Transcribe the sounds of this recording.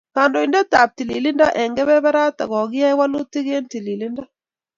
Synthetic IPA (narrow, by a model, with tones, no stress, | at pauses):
ka˨ndɔ˨i˨nde˦t̪a˨p̚ti˨li˨li˦nda˦ʔɛ˨ŋɡɛ˦βɛ˦βa˦ɾa˦t̪a̰˨ɣɔ˨ɡɪ˦a˦wa˦lu˦t̪i˦ɣe˦nti˨li˨li˦nda˦